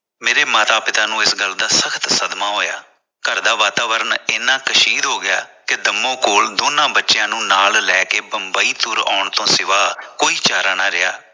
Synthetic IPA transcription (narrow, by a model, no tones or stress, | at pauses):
meːɾeːmaːt̪aːpɪt̪aːnũːɪsɡəld̪aːsəkʰt̪səd̪maːɦoːja̰ː | kəɾd̪aːʋaːt̪aːʋəɾəneːnãːkəʃiːd̪ɦoːɡɪja̰ːked̪əmːõːkoːld̪oːnãːbətːʃɪjãːnũːnaːllɛːkeːbəmbaːiːt̪ʊɾa̰ːʊɳt̪õːsɪʋaːkoːiːt͡ʃaːɾaːnaɾɪja̰ː